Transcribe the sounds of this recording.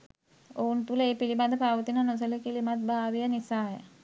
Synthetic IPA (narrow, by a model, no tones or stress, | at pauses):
ount̪uləeːpilimad̪əpaʋət̪inanus̬əlekilimat̪̚bʱaːʋijənisaːjə̰